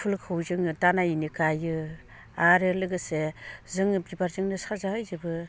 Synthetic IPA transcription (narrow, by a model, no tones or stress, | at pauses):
pʰulkʰɯwzɯŋɯdanajinikajɯ | aɾɯlɯɡɯsezɯŋɯbibaɾzɯŋnɯsazaɦɯjzɯbɯ